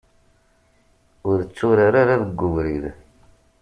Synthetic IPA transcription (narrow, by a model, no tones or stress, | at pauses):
ʊɾət͡sːʊɾaɾaɾaðəɡːʊvɾið